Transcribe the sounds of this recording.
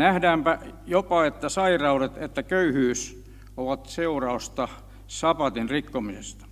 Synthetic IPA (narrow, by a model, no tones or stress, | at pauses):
næhdæːmpæjopɑet̪ːæsɑirɑuret̪et̪ːækøyhyːs | oʋɑt̪seurɑost̪ɑ | sɑpɑt̪inrikːomisḛst̪ɑ̥